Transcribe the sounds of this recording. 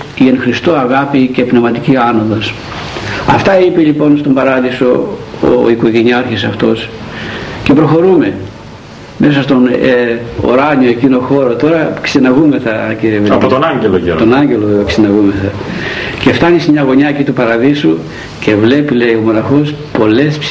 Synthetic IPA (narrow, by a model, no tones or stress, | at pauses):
ienxɾist̪oɐɣɐpice̞pnevmɐt̪iciɐno̞ðos | ɐft̪ɐipiʎipo̞nst̪o̞mbɐɾɐðisoo̰iko̞ʝeniɐɾçisɐft̪o̞s | ce̞pɾo̞xo̞ɾume̞ | mesɐst̪o̞n | o̰ɾɐɲio̞ecino̞xo̞ɾot̪o̞ɾɐksenɐɣume̞θɐciɾievelɐpot̪onɐɲɟelojḛt̪onɐɲɟe̞looksenɐɣume̞θɐ | ce̞ft̪ɐnismɲɐɣo̞ɲɐecit̪upɐɾɐðisu | ce̞vle̞pilejomo̞nɐxospo̞le̞sp